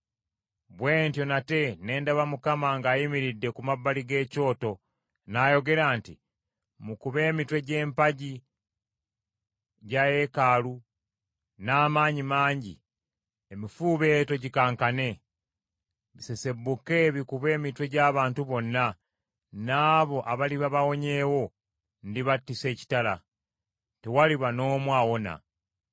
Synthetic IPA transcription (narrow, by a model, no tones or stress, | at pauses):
βwe̞ːntjo̞nate̞ne̞ːndaβamukamaŋɡaːjimiɾidːe̞kumabːaliɡe̞ːco̞ːto̞ | naːjo̞ɡe̞ɾaːnti | mukuβe̞ːmitwe̞ɟe̞ːmpaɟi | ɟaje̞kalu | naːmaːɲimaːɲɟḭ | emifuːβe̞to̞ɟikaːŋkane̞ | βise̞se̞bːuke̞βikuβe̞ːmitwe̞ɟaːβaːntuβo̞nːa | naːβo̞ʔaβaliβaβawo̞ɲe̞ːwo̞ | ndiβatːise̞ːci̥tala | tewaliβano̞ːmwaːwo̞na̰